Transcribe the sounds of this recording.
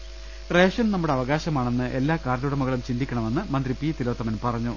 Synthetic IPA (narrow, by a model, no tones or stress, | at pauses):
re̞ːʂɐnnɐmːuɽeɐʋɐɣaːɕɐmaːɳe̞nːɨʔe̞lːaːkaːɾluːɽɐmɐɣɐɭumt͡ɕind̪ikʲːɐɳɐme̞nːɨmɐnd̪ripit̪ilo̞ːt̪ːɐmɐnpɐrɐɲːu